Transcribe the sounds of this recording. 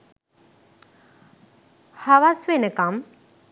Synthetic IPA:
haʋasʋenəkam

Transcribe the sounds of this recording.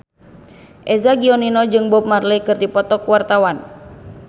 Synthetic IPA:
ʔɛzaɡiɔninɔd͡ʒɨŋbɔp̚marləjkɨrdipɔt̪ɔkuwart̪awan

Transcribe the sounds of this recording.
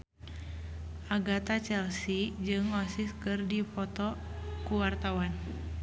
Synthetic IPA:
ʔaɡat̪at͡ʃɛlsid͡ʒɨŋɔsiskɨrdipɔt̪ɔkuwart̪awan

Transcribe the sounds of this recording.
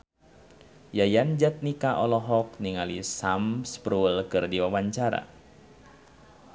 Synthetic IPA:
jajand͡ʒat̪̚nikaʔɔlɔɦɔk̚niŋalisamspɾulkɨrdiwawaɲt͡ʃaɾa̰

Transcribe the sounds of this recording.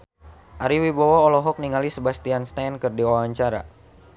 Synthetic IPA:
ʔaɾiwibawaolɔɦɔk̚niŋalisəbast̪ianst̪ajnkərdiawaɲt͡ʃaɾa̰

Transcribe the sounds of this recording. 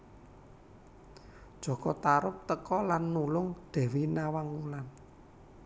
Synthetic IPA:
d̥ʒ̥ɔ̤ɡ̥ɔt̪aɾʊp̚t̪əkɔlanːulʊŋd̪̥ɛ̤winawaŋulan

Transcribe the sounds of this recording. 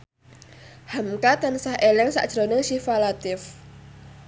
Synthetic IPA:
hamkat̪ansahʔelɛŋsa̰ʔd̥ʒ̥ɾonɪŋʃifalat̪ɪf

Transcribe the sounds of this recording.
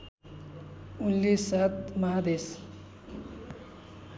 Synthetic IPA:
ulːisat̪maɦad̪es

